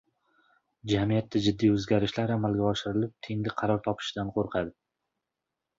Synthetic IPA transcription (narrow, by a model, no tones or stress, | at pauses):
d͡ʒamijat̪ʰːad͡ʒɪd̪ːijɵzɡʲaɾɪʃlaɾamalˠɡʲaɒʃɪɾɪlɪp̚t̪ʰeŋlɪqʰɑɾɒɾt̪ʰɒpʰɪ̥ʃd̪anqʰoɾqʰɑd̪ɪ